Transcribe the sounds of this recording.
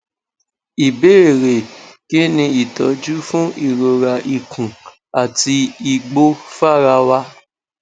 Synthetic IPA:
i˨be˦e˦˨ɾe˨ke˦nĩ˧i˨tɔ˨˦d͡ʒu˦fũ˦ʔi˦˨ɾo˨ɾa˨ʔi˨kũ˨ | a˨ti˧i˧ɡ͡bo˦fa˦˨ɾa˧wa˧

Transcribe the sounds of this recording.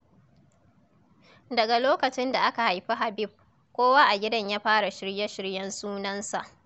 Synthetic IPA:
dɐ˨ɡa˨loː˦kɐ˨t͡ʃɪ˦nda˨ʔa˦ka˨ha˨jɸi˦ɦa˨bɪ˦b̚ | kʷoː˦waː˦ʔa˨ɡʲɪ˦dɐ˦ɲjaː˦ɸaː˦ɽa˨ʃɪ˦ɽjɐ˦ʃɪ˦ɽjɐ˦nsuː˦nɐ˦nsa˨ʔ

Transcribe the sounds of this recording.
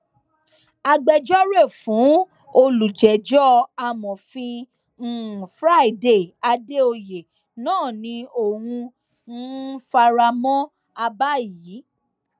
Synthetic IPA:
a˧ɡ͡bɛ˧d͡ʒɔ˦ɾe˦˨fũ˨˦ | o˧lu˨d͡ʒɛ˨d͡ʒɔ˦a˧mɔ̃˨fĩ˧˦˨ | fɾa˦i˨de˨a˧de˦o˧je˨ | nãː˦˨nĩ˧o˨wũ˧ | n̩˦fa˧ɾa˧mɔ̃˦ | a˧ba˦˨ji˨˦

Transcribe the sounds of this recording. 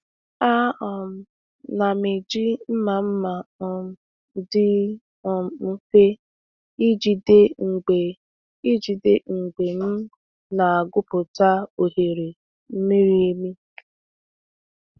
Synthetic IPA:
a˦ɔ˨m̩˦ | na˨me˨d͡ʒi˦m̩˦ma˨m̩˦ma˨ɔ˨m̩˨˦ | dɪ˦ | ɔ˨m̩˨m̩˦ke˦ | i˦d͡ʒi˨de˦ŋ̩˨ɡ͡be˨ | i˦d͡ʒi˨de˦ŋ̩˨ɡ͡be˨m̩˦ | na˨a˨ɡʊ˦pʊ˨ta˦o˨ɦe˨ɾe˨ | m̩˦mi˦ɾi˦e˦mi˦

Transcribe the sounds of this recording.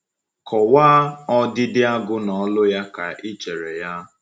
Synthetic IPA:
kɔ˨waː˦ɔ˦dɪ˦dɪ˦a˦ɡʊ˦nɔ˨˦lʊ˦ja˦ka˨i˦t͡ʃe˨ɾe˨ja˦

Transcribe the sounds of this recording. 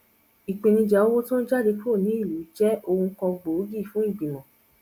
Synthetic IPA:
i˨k͡pe˨nĩ˧d͡ʒa˨˦o˦wo˦to˦n̩˦d͡ʒa˦de˧k͡po˦˨nĩ˨˦i˦˨lu˨˦d͡ʒɛ˦o˧ũ˧˦kɔ̃˧ɡ͡bo˨˦ɡi˦˨fũ˨˦i˦˨ɡ͡bĩ˨mɔ̃˨

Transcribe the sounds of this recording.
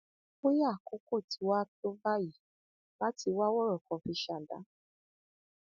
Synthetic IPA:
ko˦ja˦˨ko˨˦ko˦˨tʰi˨˦wa˦to˦ba˦ji˨˦ | la˦ti˧wa˦wɔ˦ɾɔ˨kɔ̃˨fi˧˦ʃa˨da̰˨˦

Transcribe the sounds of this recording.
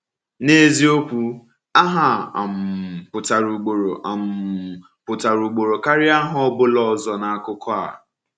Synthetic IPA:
ne˦zi˦o˦kʷu˦ | a˦ɦa˨a̰˨m̩˨pʊ˨ta˨ɾu˨ɡ͡bo˨ɾo˨a˨m̩˨ | pʊ˨ta˨ɾu˨ɡ͡bo˨ɾo˨ka˦ɾɪ˦a˦ɦɔ˦bʊ˦lɔ˨zɔ˨na˨a˦˨kʊ˦kɔ˦a̰˨

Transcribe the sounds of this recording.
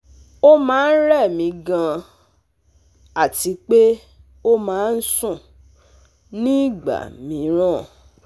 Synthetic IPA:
o˦mãː˨˦n̩˦ɾɛ˦˨mĩ˧˦ɡã˧ | a˦˨ti˧˦k͡pe˦ | o˦mãː˨˦n̩˦sũ˦˨ | nĩ˦˨ɡ͡ba̰˨mĩ˨˦ɾ̃ɔ̃˦˨

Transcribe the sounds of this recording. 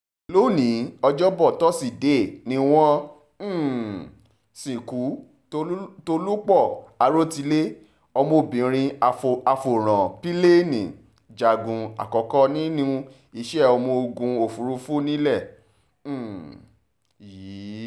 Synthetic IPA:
lo˦˨nĩ˨˦ɔ˧d͡ʒɔ˦bɔ˦˨tɔ˦si˦˨de˨˦˨nĩ˦w̃ɔ̃˦ | sĩ˨ku˨˦˧ | to˧lu˦k͡pɔ˦˨a˨ɾo˦ti˧le˦ | ɔ˧mo˧˨bĩ˨ɾ̃ĩ˧˨a˧fo˨ɾ̃ã˨pi˦le˦nĩ˨ | d͡ʒa˨ɡũ˨˧a̰˨kɔ˨kɔ˦nĩ˦nũ˦˧˦ | i˦˧˨ʃɛ˦˨ɔ˧mo˧ɡũ˧o˨fu˨˦ɾu˧˦fu˦nĩ˦lɛ˦˨˦

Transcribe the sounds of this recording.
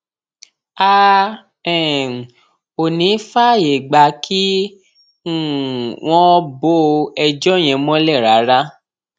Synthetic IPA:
a˦ | ɛ˦˨ | o˨nĩ˨˦fa˦˨je˨ɡ͡ba˧ki˦˨ | w̃ɔ̃˦bo˦ɛ˧d͡ʒɔ˦˨j̃ɛ̃˧mɔ̃˦lɛ˦˨ɾa˨˦ɾa˦

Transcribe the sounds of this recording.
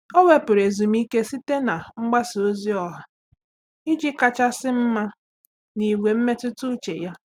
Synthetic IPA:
ɔ˦we˦pʊ˨ɾe˨zu˨m̩˦i˦ke˦si˦te˦na˨ŋ͡m̩˦ɡ͡ba˦so˦zi˦ɔ˨ɦa˨ | i˦d͡ʒi˦ka˦t͡ʃa˦sɪ˦m̩˦ma˦ | ni˨we˨m̩˦me˦tʊ˦tʊ˦t͡ʃe˨ja˦

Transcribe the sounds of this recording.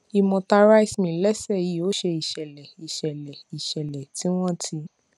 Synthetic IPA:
i˧mɔ̃˧ta˧ɾa˦i˦˨smĩ˨˦lɛ˦sɛ˦˨ji˨˦o˦ʃe˧i˨ʃɛ˨lɛ˨i˨ʃɛ˨lɛ˨i˨ʃɛ˨lɛ˨ti˨˦w̃ɔ̃˦tʰi˧

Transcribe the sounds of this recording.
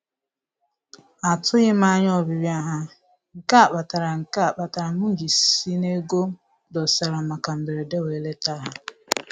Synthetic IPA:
a˨tʊ˦ɣɪ˦ma˦ɲ˦ɔ˦bi˨ɾja˦ɦa˦ | ŋ̩˨ka˦a˨k͡pa˨ta˨ɾa˨ŋ̩˨ka˦a˨k͡pa˨ta˨ɾa˨mʊ˦ŋ̩˦d͡ʒi˨si˦ne˦ɡo˦ | dɔ˨sa˨ɾa˨ma˨ka˨m̩˨be˨ɾe˨de˦we˨˦le˦ta˦ɦa˦

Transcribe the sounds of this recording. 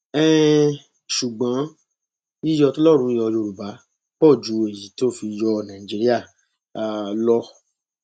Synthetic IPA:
ɛ˨ | ʃu˨ɡ͡bã˨˦ | i˦jɔ˧to˦lɔ˦˨ɾ̃ũ˧˦jɔ˧jo˧ɾu˨ba˨˦ | k͡pɔ˦˨d͡ʒu˨˦e˨ji˨˦ti˦o˦fi˧jɔ˧nã˨ĩ˨d͡ʒi˨˦ɾi˦a˦˨ | lɔ˦

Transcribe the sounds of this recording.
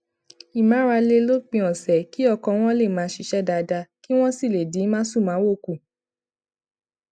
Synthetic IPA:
i˨mã˨˦ɾa˧le˧lo˦k͡pĩ˧ɔ̃˨sɛ˨ki˦ɔ˧kɔ̃˧w̃ɔ̃˦le˦˨mãː˨˦ʃi˧˦ʃɛ˦da˧da˧ki˦w̃ɔ̃˦si˦˨le˨dĩ˨˦mãː˦su˦˨mãː˨˦wo˦˨ku˨

